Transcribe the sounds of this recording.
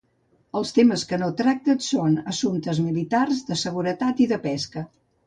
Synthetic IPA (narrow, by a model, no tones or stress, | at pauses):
əlˠst̪eməskənot̪ɾak̚t̪ətsonəsunt̪əzmilit̪arzðəsəɣuɾət̪at̪iðəpɛskə